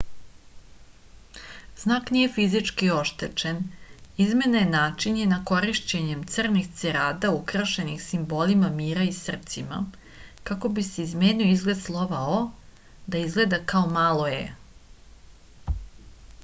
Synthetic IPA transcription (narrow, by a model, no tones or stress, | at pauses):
znaːknije̞fizit͡ʂkio̞ʃt̪et͡ʃenizme̞najenaːt͡ʃinjenako̞ɾiʃt͡ɕe̞ɲemt̪srnixt̪seɾaːd̪aukɾaʃe̞nixsimbo̞ːlimamiːɾaisr̩t̪sima̰ | kako̞bise̞izme̞ːnioizɡle̞d̪slˠo̞ʋao | d̪aizɡle̞d̪akaomaːlˠoḛ